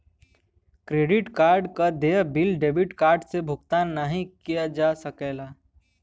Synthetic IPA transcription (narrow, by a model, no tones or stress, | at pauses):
kɾeːɖɪʈkaːɾɖkad̪eːbɪlɖeːbɪʈkaːɾɖsebʱʊɡt̪aːnːəɦĩkijad͡ʒasəkeːlaː